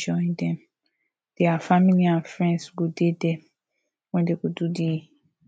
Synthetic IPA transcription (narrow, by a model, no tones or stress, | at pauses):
d͡ʒɔĩdɛ̃m | d̥eafamiliãnfɹɛ̃nsɡodedɛ | wɛ̃ndeɡodudi